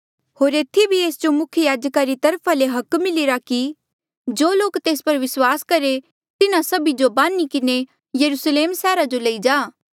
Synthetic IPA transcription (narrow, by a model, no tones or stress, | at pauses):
hoːɾeːt̪ʰibʱieːsd͡ʒomʊkʰjəjaːd͡ʒəkaɾit̪ɐɾpʰaleɦɐkmɪliɾaki | d͡ʒoːloːkt̪eːspɐɾʋɪswaːskɐɾe | t̪ɪnãsɐbid͡ʒobãːnikɪne | jɐɾusleːmsɛːɾad͡ʒolɐid͡ʒaː